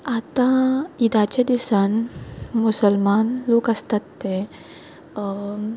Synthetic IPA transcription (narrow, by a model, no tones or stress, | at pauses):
at̪ãid̪at͡ɕad̪isanmusəlmanloːkəst̪at̪ːe